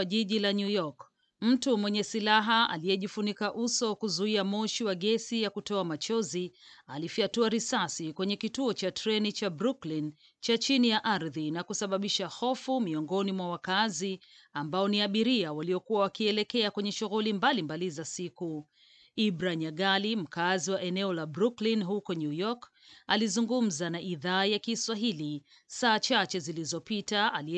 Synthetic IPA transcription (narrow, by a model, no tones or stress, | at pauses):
aʄiʄilaɲujɔk | m̩tumwɛɲɛsilaɦaa̰liɛʄifunikaʔusɔkuzuiamɔʃiwaɠɛsijakutɔamat͡ʃɔzialifiatuaɾisasikwɛɲɛkituɔt͡ʃatɾɛnit͡ʃabɾuklin | t͡ʃat͡ʃinijaʔaɾðinakusaɓaɓiʃahɔfumiɔŋɡɔnimwawakazi | ambaɔniaɓiɾiawaliɔkuwawakiɛlɛkɛakwɛɲɛʃuɣulimbalimbalizasiku | ibɾaɲaɠalim̩kaziwaʔɛnɛɔlabɾuklinɦukɔɲujɔk | alizuŋɡum̩zanaʔiðaːjakiswaɦili | saːt͡ʃat͡ʃɛzilizɔpitaali